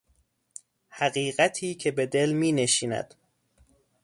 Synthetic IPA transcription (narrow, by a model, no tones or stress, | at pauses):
hæɣiːɢæt̪ʰiːcʰe̞be̞d̪e̞lmiːneʃiːnæ̰d̪̥